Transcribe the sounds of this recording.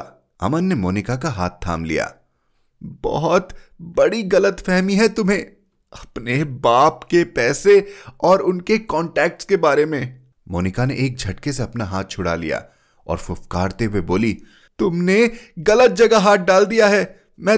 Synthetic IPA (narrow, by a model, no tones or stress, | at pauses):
ɐ̰mənːemoːnɪkakaɦaːt̪ʰːa̰ːmlḭja̰ː | bɔ̰ɦɔt̪bɐɽiɣɐlət̪fɛɦmiɦɛt̪ʊmɦẽː | ɐpnebaːpkepɛːseɔːɾʊnkekɔːɳʈɛːk̚ʈskebaːɾemẽː | moːnɪkaneʔeːk̚d͡ʒʱɐʈkeseɐpnaɦaːt̪̚t͡ʃʰʊɽa̰lḭja̰ː | ɔ̰ːɾfʊfkaːɾt̪eɦʊweboːli | t̪ʊmneɣɐlət̪̚d͡ʒɐɡaɦaːt̪̚ʰɖaːld̪ijaɦɛː | mɛ̃ː